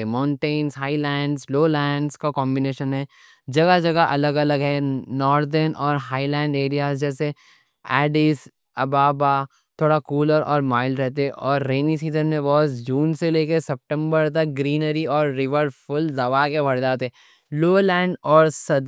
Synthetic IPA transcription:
mãʊ̃ɳʈẽːnzɦaːilɛ̃ːɳɖzloːlɛ̃ːɳɖskakɔ̃ːmbineːʃənɦɛː | d͡ʒɐɡad͡ʒɐɡaʔɐləɡɐləɡɦɛnɔːɾd̪əɾnʔɔːɾɦaːilɛ̃ːɳɖeːɾijaːzd͡ʒɛːse | ɛːɖis | ɐbaːba | t̪ʰoːɽakuːləɾʔɔ̰ːɾmaːɪlɾɛɦt̪̬eɦɛʔɔːɾːeːnisiːzənmẽʋɔːsd͡ʒũːnseleːkesɛp̚ʈə̃mbəɾt̪ɐk̚ɡɾiːnəɾiɔːɾːɪʋəɾfʊld̪ɐʋakebʱɐɽd͡ʒaːt̪ɦɛ | loːlɛ̃ːɳɖɔːɾsɐd̪

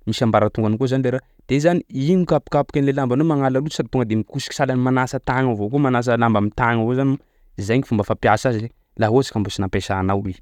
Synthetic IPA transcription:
misambaɾat̪uŋɡanikozanileɾa | d̪̥ezaniiɲukapu̥kapu̥kʲanilelambanomaŋalalusad̪it̪uŋɡəd̪emikusi̥ki̥salanimanasət̪aŋavokomanas̬əlambamit̪aŋavozaniu | izajŋifumbəfapjasazize | laɦozḁkambosinapesanawe

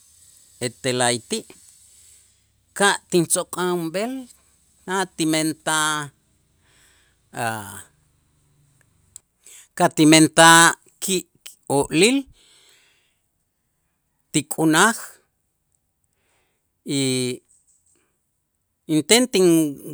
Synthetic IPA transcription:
et̪elajt̪iʔ | kaʔt̪int͡sokʼaumɓel | nat̪iment̪a | a | kat̪iment̪aː | kʰiʔ | oʔlil | t̪ikʼunax | i | int̪ent̪iŋ

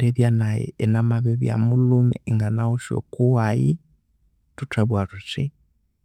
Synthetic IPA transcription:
ɾeðjanajɛ̰ːnamaβɛβja̰mulumɛiŋɡanauʃo̰kuwaji | tutaβwaɾut͡ʃi

